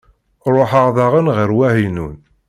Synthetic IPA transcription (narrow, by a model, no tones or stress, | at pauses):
ɾˤoħaʁðˤɑʁənʁəɾwæhinun